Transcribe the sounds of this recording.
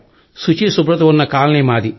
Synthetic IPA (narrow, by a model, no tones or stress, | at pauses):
sut͡ʃisubɾɐt̪̬ɐunːɐkaːlɐneːmaːd̪i